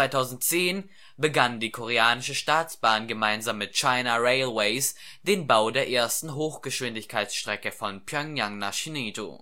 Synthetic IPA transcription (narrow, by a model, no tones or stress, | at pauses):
vaɪtʰaʊzn̩tt͡seːn | bəɡandiːkʰoʁ̞eaːnɪʃəʃtaːt͡sb̥aːnɡəmaɪnzaːmːɪt̚t͡ʃaɪnaʁeɪlwɛɪs | d̥eːnbaʊdeːɐʔeːɐstn̩ɦoːxɡ̥əʃv̥ɪndɪçkʰaɪtt͡sʃtʁ̥ɛkəfɔnpʰjœŋjaŋnaːʃiniːto̰